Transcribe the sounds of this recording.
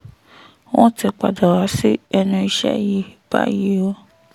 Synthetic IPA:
wɔ̃˦ti˧k͡pa˨da˨ɾa˨˦si˦ɛ˧nũ˧i˧ʃɛ̰˦˨ji˨b̥a̰˦ji˦o˦

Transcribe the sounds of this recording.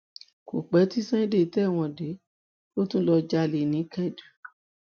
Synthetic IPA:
ko̰˨k͡pɛ˨˦ti˦sɛ̃˦ĩ˦de˦˨tɛ˦˨w̃ɔ̃˧de˨˦ | lo˦tũ˦lɔ˧d͡ʒa˧le˧˨nĩ˨˦kɛ˦˨du˨

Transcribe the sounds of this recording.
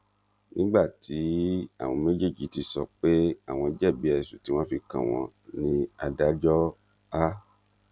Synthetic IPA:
nĩ˦ɡ͡ba˦˨tʰi˨˦a̰˦˨w̃ɔ̃˨˧me˦d͡ʒe˦˨d͡ʒi˨˦ti˧sɔ˧˨k͡pe˦a˦˨w̃ɔ̃˧˨d͡ʒɛ˦˨bi˨˦ɛ˧˨su˨ti˨˦wɔ̃˦fi˧kã̰˨w̃ɔ̰̃˧nĩ˧a˨˧da˨˦d͡ʒɔ˦ | a˦

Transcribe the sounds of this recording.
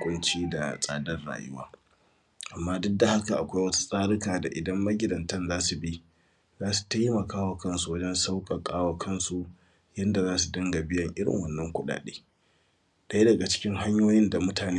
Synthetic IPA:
kʷʼʊ˦nt͡ʃiː˦da̰˨sʼaː˦dɐ˦rɽa̰ː˨jɪ̰˦waː˦ | ʔa˨mːaː˦dʊ˦dːa˨ha˦ka˨ʔa˨kʷa˦jwɐ˦tu̥˦sʼaː˦ɽɪ˦kaː˨da̰˨ʔɪ˨dɐ˦mːɐ˦ɡʲɪ˨dɐ˨ntɐ˦nzaː˦su˨bi˦ | zaː˦su̥˨ta˦jmɐ˨kʰaː˦wa˨kɐ˦nsu˨wɐ˦d͡ʒɛ˦nsa˦wkʼɐ˨kʼaː˦wa˨kʰɐ˦nsu˨ | jɐ˦nda˨zaː˦su˨dɐ˦ŋɡa˨bɪ˦jɐ˨ŋʔɪ˦ɽɪ̰˨ŋwɐ˨nːɐ˦ŋkʷʊ˦ɗa̰ː˨ɗeː˦ | da˦jdɐ˨ɡa˨t͡ʃɪ̥˦kʲɪ˦ŋɦa˦ɲjoː˦jɪ˦nda˨mʊ˦taː˨neː˦

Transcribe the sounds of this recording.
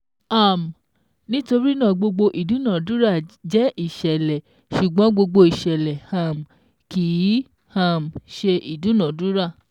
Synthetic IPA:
a˨m˨ | nĩ˦to˧ɾi˦nã˦˨ɡ͡bo˧ɡ͡bo˧ʔi˨dũ˨˦nã˨du˦ɾa˦˨d͡ʒɛ˨˦ʔi˦˨ʃɛ˨lɛ˨ | ʃu˨ɡ͡bɔ̃˨˦ɡ͡bo˧ɡ͡bo˧i˨ʃɛ˨lɛ˨ha˨m˨ | ki˨˦ | ha˦˨m˨ʃe˧ʔi˨dũ˨˦nã˨du˦ɾa˦˨

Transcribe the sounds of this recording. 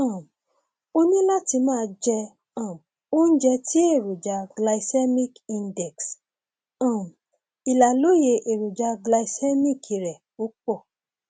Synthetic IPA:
ã˨ | o˦nĩ˦la˦ti˧mãː˦˧d͡ʒɛ˧ | ã˦˨ | o˦n̩˦d͡ʒɛ˧ti˦e˦˨ɾu˨d͡ʒa˧ɡla˧i˨sɛ˦mi˦kĩ˧ndɛ˨ks | ã˨ | i˨la˨lo˦je˧ʔe˨ɾu˨d͡ʒa˧ɡla˧i˦sɛ˦mi˦˨kʰi˨ɾɛ˨ | o˨˦k͡pɔ˦˨

